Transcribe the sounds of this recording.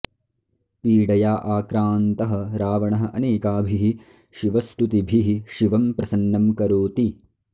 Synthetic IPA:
piːɽɐjaːʔaːkɾaːnt̪ɐɦɐ̆ɾaːʋɐɳɐɦɐ̆ʔɐneːkaːbʱiɦi | ʃiʋɐst̪ut̪ibʱiɦiʃiʋɐmpɾɐsɐnːɐmkɐɾoːt̪i

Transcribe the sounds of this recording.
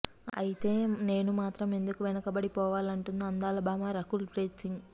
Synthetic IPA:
ɐ̰jit̪e̞ːne̞ːnumaːt̪ɾɐme̞nd̪ukuʋɛnɐkɐbɐɽipɔːʋaːlɐɳʈund̪iɐnd̪aːlɐbaːmaɾɐkulpɾeːt̪siŋɡ

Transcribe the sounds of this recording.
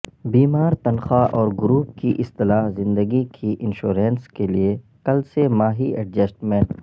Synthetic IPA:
biːmaːɾt̪ɐnxaʔɔːɾɡʊɾuːp̚kiʔɪst̪ɪlaːɦzɪ̃nd̪əɡikʰiʔɪ̃nʃoːɾẽːnskelie | kɐlsemaːɦiɐʈ̚d͡ʒɐsʈmẽːɳʈ

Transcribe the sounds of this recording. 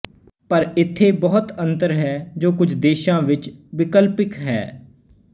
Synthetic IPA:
pəɾɪt̪ʰːeːbɔːʊt̪ə̃nt̪əɾɦɛːd͡ʒoːkʊd͡ʒʱd̪eːʃãːʋɪt͡ʃʋɪkəlpɪkɦɛ̰ː

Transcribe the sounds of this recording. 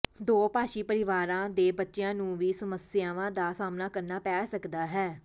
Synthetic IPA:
d̪oːpaːʃiːpəɾɪʋaːɾãːd̪eːbətːʃɪjãːnũːʋiːsəməsjaːʋãːd̪aːsaːmnaːkəɾnaːpɛːsəkd̪aːɦɛː

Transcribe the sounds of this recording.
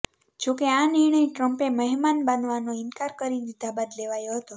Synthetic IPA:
d͡ʒokeanɪɾɳ̃əjʈɾəmpeməɦɛmanbanʋanoɪnkaɾkəɾidid̪ʱabad̪leʋajoɦət̪o

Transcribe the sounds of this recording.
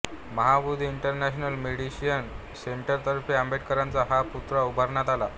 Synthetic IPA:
məɦabud̪ʱiːɳʈəɾnæɕnəlmeɽiɕijən | seɳʈəɾt̪əɾfiəmbeʈ̚kəɾãnt͡saɦaput̪ɾaubʱəɾɳat̪ala̰

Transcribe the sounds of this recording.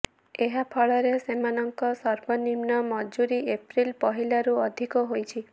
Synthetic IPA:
eɦapʰɔɭɔɾesemanɔŋkɔsɔɾbɔnimnɔmɔd͡ʒuɾiepɾilpɔɦilaɾuɔd̪ʱikɔɦojt͡ʃʰi

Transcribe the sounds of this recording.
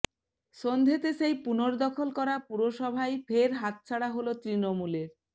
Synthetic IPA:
ʃond̪ʱet̪eʃejpunoɾd̪ɔkʰolkɔɾapuɾoʃɔbʱajfʰeɾɦat̪̚t͡ɕʰaɽaɦolot̪ɾinomuleɾ

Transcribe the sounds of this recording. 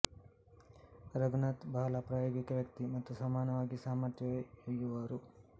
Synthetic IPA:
ɾɐɡunɐt̪bʱaːlɐpɾaːjoːɡikɐʋjɐk̚t̪imɐt̪ːusaːmaːnɐʋaːɡisaːmɐɾt̪jɐjoːjuʋaːɾu

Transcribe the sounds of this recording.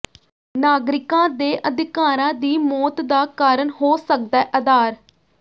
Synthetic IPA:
naːɡɾɪkãːd̪eːʔəd̪ɪkaːɾãːd̪iːmɔːt̪d̪aːkaːɾəɳɦoːsək̚d̪ɛːʔəd̪aːɾ

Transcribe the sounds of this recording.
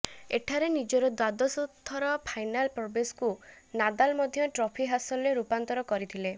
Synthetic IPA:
eʈʰaɾenid͡ʒɔɾɔd̪wad̪ɔsɔt̪ʰːɔɾɔpʰajnalpɾɔbeskunad̪almɔd̪ʱjɔʈɾɔpʰiɦasɔlɔɾeɾupant̪ɔɾɔkɔɾit̪ʰile

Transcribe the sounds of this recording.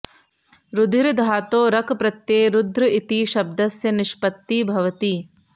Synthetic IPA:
ɾud̪ʱiɾd̪ʱaːt̪oːɾɐkpɾɐt̪jeːɾud̪ʱɾɐit̪iʃɐb̚d̪ɐsjɐniʃpɐt̪ːiːbʱɐʋɐt̪iː

